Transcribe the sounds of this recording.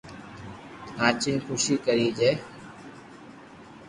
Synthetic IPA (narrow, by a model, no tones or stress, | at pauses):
ãːt͡ʃɪnxʰuːʃiːkəɾiːd͡ʒeː